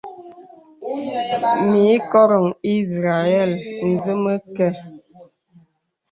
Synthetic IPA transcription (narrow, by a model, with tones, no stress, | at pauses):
mi˨˦kɔ˦ɾɔ˨ŋi˦sɾa˨ɛ˦˨ln̩˨zə˦mə˦kɛ˦˨